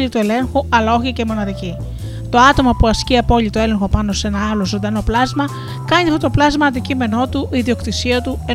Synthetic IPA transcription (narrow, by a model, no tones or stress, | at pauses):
ʎit̪ue̞le̞ŋxuɐlɐoçicemo̞nɐðici | t̪o̞ɐt̪o̞mɐpuɐsciɐpo̞ʎit̪o̞e̞le̞ŋxo̞pɐno̞se̞nɐɐlozond̪ɐno̞plɐzmɐ | kɐɲiɐft̪o̞t̪o̞plɐzmɐːnd̪icime̞no̞t̪uʔiðio̞kt̪isiɐt̪ue̞